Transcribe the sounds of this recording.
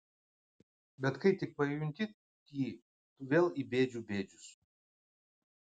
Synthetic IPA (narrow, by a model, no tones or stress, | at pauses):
bʲɛt̪kɐɪt̪ʲɪk̚pɐjjʊŋʲk̪ʲɪ | kʲiː | t̪ʊʋʲeːlˠibʲeːd͡ʒʲuːbʲeːd͡ʒʲʊs